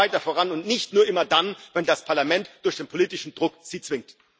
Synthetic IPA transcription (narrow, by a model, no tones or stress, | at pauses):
aɪtɐfoːʁanʊntnɪçtnuːɐʔɪmɐdanvɛndaspʰaɐlamɛntd̥ʊɐçd̥eːnpʰoliːtɪʃn̩dʁʊkz̥iːt͡sv̥ɪŋ̚t